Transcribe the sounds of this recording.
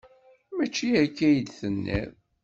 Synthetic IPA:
mæt͡ʃːiækːæjəd̪θənːḭɾ

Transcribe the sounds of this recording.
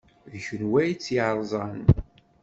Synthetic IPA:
ðçənwæjt͡sːiʕɾˤzˤɑn

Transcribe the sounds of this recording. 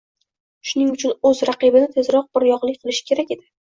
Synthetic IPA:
ʃʊnɪŋʊt͡ʃʰʊnɵzɾaqɨbɪnɪt̪ʰe̞zɾɒq̚bɪɾjɒqlˠɪkʲqʰɨlˠɪʃɪ̥kʲʰe̞ɾakʲe̞d̪ɪ

